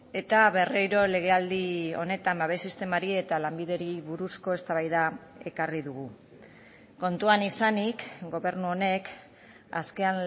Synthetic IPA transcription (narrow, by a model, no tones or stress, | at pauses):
e̞t̪aβe̞rejɾo̞le̞ɣ̞e̞ald̪io̞̰ne̞t̪ambaβe̞jsist̪e̞maɾie̞t̪alambiðe̞ɾiβuɾusko̞e̞st̪aβajðae̞kariðuɣu | ko̞nt̪uanisanikɡo̞βe̞ɾnuo̞ne̞k | a̰ske̞an